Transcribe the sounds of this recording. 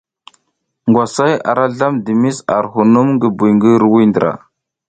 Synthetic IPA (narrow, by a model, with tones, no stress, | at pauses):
ŋɡwa˨sa˦ja̰˨ɾa˦ɮa˦mdi˨mi˦sa̰˨ɾɦu˨nu˦mɡə˨bu˨ŋɡə˦ɾwi˦ndə˨ɾʔa̰˨